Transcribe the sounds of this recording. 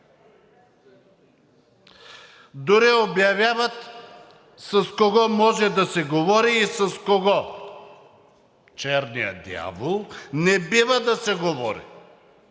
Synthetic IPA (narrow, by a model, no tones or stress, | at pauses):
d̪ʊɾiobjɐvʲjavɐt̪ | sɐskoɡɔmɔʒɛd̪ɐsɛɡovɔɾiːsɐskoɡɔ | t͡ʃɛɾnijə̰d̪ia̰volˠnɛbivəd̪ɐsɛɡovɔɾḭ